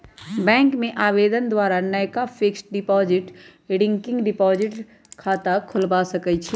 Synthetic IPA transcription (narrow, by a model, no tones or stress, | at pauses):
bɛ̃ːŋkmẽʔaːbeːd̪ənd̪waːɾanəjkafʰɪksɖɪpɔːzɪʈɖɪ̃ŋkɪ̃ŋɡɖɪpɔːzɪʈ | kʰaːt̪akʰʊlbasɐkət͡ʃʰi